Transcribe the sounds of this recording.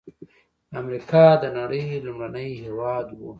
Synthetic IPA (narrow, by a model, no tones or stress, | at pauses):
amɾikʰɑd̪ənaɽəjlumɽanəjhewɑd̪wu